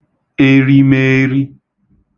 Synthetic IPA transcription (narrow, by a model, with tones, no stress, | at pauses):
e˦ɾi˦me˦ɾi˦